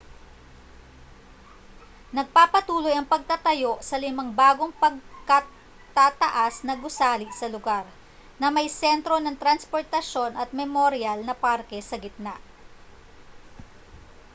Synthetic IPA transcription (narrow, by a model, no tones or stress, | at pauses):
nɐɡ̚paːpɐt̪uːlo̞jɐŋpɐɡ̚t̪ɐt̪ɐjo̞ʔsɐlɪmɐŋbaːɡo̞ŋpɐɡ̚kɐ | t̪at̪ɐʔasnɐɡʊsaːlɪʔsɐlʊɡaɾ | nɐmɐjsɛnt̪ɾo̞nɐŋt̪ɾɐnspo̞ɹt̪ɐʃo̞nʔɐt̪̚mɛmoɾɪalnɐpaɾkɛsɐɡɪt̪̚naʔ